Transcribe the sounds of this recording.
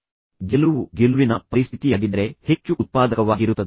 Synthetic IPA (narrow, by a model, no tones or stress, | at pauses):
ɡɛlɐʋuɡelʋinɐpɐɾist̪ʰit̪ijaːɡid̪ɐɾe̞he̞t͡ʃːuʔt̪̚paːd̪ɐkɐʋaːɡiɾut̪ːɐd̪